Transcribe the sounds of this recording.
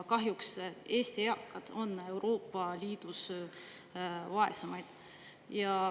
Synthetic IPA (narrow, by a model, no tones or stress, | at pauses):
kɑɦjukse̞ːst̪iɑkːˑɑd̪̥o̞nːe̞wɾo̞ːpːɑlʲiːd̪̥us | vɑe̞̰sɑmɑjd̪̥ | jɑ